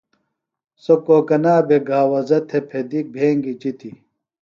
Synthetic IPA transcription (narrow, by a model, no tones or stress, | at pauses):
sokoːkɐnaːbʱeɡʱaːwɐzɐt̪ʰepʰed̪ik̚bʱeːŋɡit͡ɕit̪i